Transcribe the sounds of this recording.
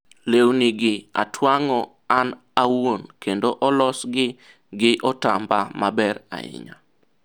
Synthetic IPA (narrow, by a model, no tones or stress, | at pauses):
lewniɡɪa̰tʰwaŋɔ | an | awonkendoʔɔlɔsɡɪ | ɡɪʔɔta̰mbamabɛɾa̰ɪ̰ɲa̰